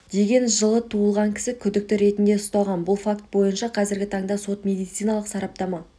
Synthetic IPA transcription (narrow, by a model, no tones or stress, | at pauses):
d̪̥e̞ɡʲe̞nʒəlˠət̪ʰuəlˠʁɑŋkʲʰɪ̥sɪkʲʰʏd̪ɪk̚t̪ɪɾe̞t̪ɪnd̪e̞ʊst̪ɑlˠʁɑnbʊlˠfakt̪̚bo̞jənʃɑqʰɑzɪɾɡʲɪt̪ʰɑɴd̪ɑso̞t̪mʲe̞d̪ijt̪sɨjnɑlˠəqsɑɾɑp̚t̪ɑmɑ